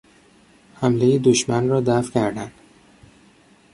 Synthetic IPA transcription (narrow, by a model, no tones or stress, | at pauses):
hæmlejed̪oʃmænrɒːd̪æfcʰæɾd̪ænd̪̥